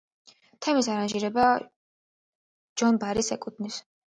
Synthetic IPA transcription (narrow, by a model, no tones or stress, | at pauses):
t̪ʰɛmisaɾanʒiɾɛba | d͡ʒɔnbaɾisɛkʼut̪ʰnis